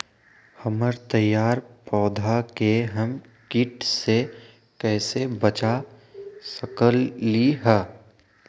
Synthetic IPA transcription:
həməɾt̪əjːaːɾpɔːd̪ʱakeɦəm | kɪʈse | kɛːsebət͡ʃa | səkəlːiɦɛː

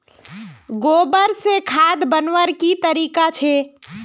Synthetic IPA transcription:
ɡoːbəɾsekʰaːd̪bənʋəɾkit̪əɾiːkat͡ʃʰeː

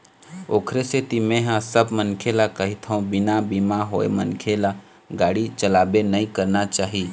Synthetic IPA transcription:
oːkʰɾeset̪imẽɦãsəbmənkʰelakəɦɪt̪ʰũbɪnabimaɦoḛmənkʰela | ɡaːɽit͡ʃəlaːbenəĩkəɾnat͡ʃaːɦi

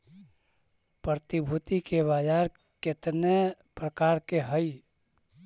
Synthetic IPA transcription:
pɾəɾət̪ibʱut̪ikebad͡ʒaɾ | kɪt̪ne | pɾəkaːɾkeɦəi

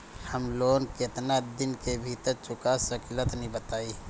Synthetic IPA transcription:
həmloːnkɪt̪nad̪ɪnkebʱit̪əɾt͡ʃʊkasəklət̪nĩbət̪aːiː

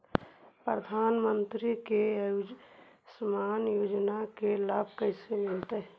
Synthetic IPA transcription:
pɾəd̪ʱaːnmənt̪ɾikej | səmaːnjoːd͡ʒnakelaːb̚ʱkəɪsemɪlt̪əɦ

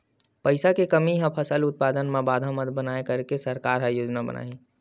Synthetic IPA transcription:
pəɪsakekəmiɦə̃pʰəsəlʊt̪̚paːd̪ənmebaːd̪ʱamət̪bənaːekəɾkesəɾkaːɾɦajoːd͡ʒnabə̰na̰ːĩ

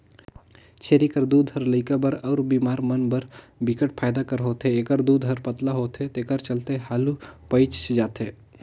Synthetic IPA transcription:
t͡ʃʰeːɾikəɾd̪uːd̪ʱɦəɾləɪkabəɾɔːɾbiːmaːɾmənbəɾ | bɪkəʈ̚pʰaːjd̪akəɾɦoːt̪ɦeɐɡəɾd̪uːd̪ɦəɾpət̪laɦoːt̪et̪eɡəɾt͡ʃəlt̪ehaːlupəɪt͡ʃt͡ʃd͡ʒaːt̪eː

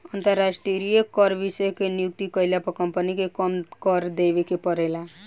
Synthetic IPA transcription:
ʌnt̪əɾːasʈiəɾijekʌɾbisəkenijuk̚t̪ikʌjljapɔkʌmpənikekʌmkʌɾd̪ebekepʌɾela

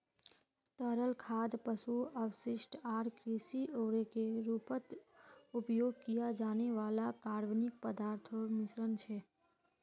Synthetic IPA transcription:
t̪əɾəlkʰad̪pəsuəʋsɪʃʈaːɾkɾisiʔoɾekeɾupət̪upjoɡ̚kijad͡ʒaneʋaːlakaɾʋnik̚pəd̪aːɾt̪ʰoɾmɪsɾənt͡ʃʰe

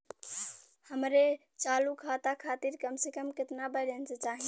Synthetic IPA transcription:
həmɾe | t͡ʃalukʰat̪akʰat̪iɾkəmsekəmkɪt̪nabəlenset͡ʃaɦĩ

